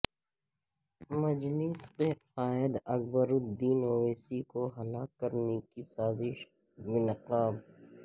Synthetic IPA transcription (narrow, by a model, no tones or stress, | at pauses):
mɐd͡ʒlɪsqeqaːɪd̪ɐk̚bəɾʊd̪iːnoːʋeːsikoɦɐlaːkːɐɾnekisaːzɪʃ | bɪnɪqaːb